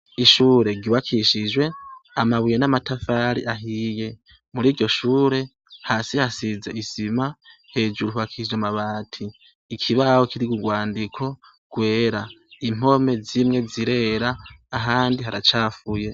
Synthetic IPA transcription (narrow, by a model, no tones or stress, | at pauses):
iʃuːɾe̞ɡiβakʰiʃiʒwe̞amaβujenamatafaɾḭʔaɦiːje̞ | muɾiːɾɟo̞ʃuːɾe̞ | haːsihasize̞isima | he̞ːd͡ʒuɾuhuβakʰid͡ʒamaβaːtʰiː | kʰiβahokiɾiɡuɡwaːndikʰo̞ | ɡ̥we̞ːɾaim̥o̞me̞zimŋe̞ziɾe̞ːɾaːɦaːndiɦaɾat͡ʃaːfuje̞